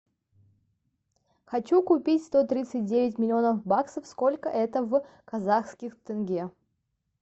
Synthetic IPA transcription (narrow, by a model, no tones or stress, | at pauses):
xɐt͡ɕukʊpʲitʲst̪ot̪ɾʲit̪sɨt̚ʲdʲevʲɪtʲmʲɪlʲɪo̞nəfbaksəfskolʲkəʔɛt̪əv | kɐzaxskʲɪxt̪ɨnɡʲe